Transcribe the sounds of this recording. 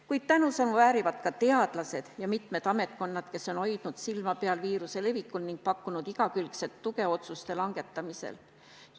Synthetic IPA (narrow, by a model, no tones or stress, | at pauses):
kujd̪̥̚t̪ænusɑnuvæːɾivɑt̪kɑt̪e̞ɑd̪̥lɑse̞d̪̥jɑmit̪med̪̥ɑme̞t̪̚ˑko̞nːɑd̪̥ke̞so̞no̞jd̪̥nud̪̥silmɑpeɑlviːɾuse̞le̞vikːˑulniŋɡ̥̚pɑkːunud̪iɡ̥ɑkylkse̞t̪ːuke̞o̞t̪sust̪e̞lɑŋɡ̥e̞t̪ːˑɑmise̞̰l